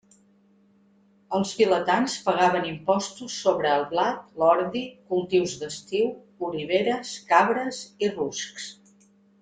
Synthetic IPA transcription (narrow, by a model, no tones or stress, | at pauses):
əlˠsfilət̪anspəɣaβənimpɔst̪usːoβɾəːlˠβlat̪̚lɔɾðikulˠt̪iwzd̪əst̪iw | uɾiβeɾəskaβɾəsirusks